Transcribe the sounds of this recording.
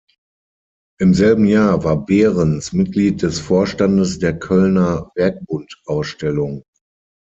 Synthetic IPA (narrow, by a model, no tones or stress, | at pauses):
ʔɪmzɛlbm̩jaːɐvaːɐbɛːʁənsmɪt̚ɡ̥liːt̚d̥ɛsfoːɐʃtandəsd̥eːɐkʰœlnɐvɛɐk̚b̥ʊntʔaʊsʃtɛlʊŋ